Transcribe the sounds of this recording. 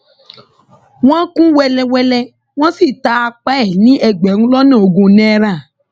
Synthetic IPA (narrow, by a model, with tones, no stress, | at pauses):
w̃ã˦kũ˦wɛ˧lɛ˧wɛ˧lɛ˧ | w̃ɔ̃˦si˦˨ta˨˦a˧k͡pa˦ɛ˨nĩ˨˦ɛ˧˨ɡ͡bɛ˨nũ˦lɔ˦nẽ˦˨o˨ɡũ˧nɛ̃˦ɾã˦˨